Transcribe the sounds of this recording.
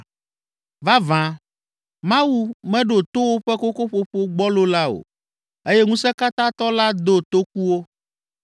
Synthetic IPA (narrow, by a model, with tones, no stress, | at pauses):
va˦vã˨ | mã˦wu˦mɛ̃˦ɖo˨t̪o˦wo˦ɸɛ˦ko˦ko˦ɸo˦ɸo˦ɡ͡bɔ˦lo˦la˦o̰˨ | e˦jɛ˦ŋũ˦sɛ˦ka˦t̪ã˦t̪ɔ˦la˦d̪o˦t̪o˦k̚u˦wo˦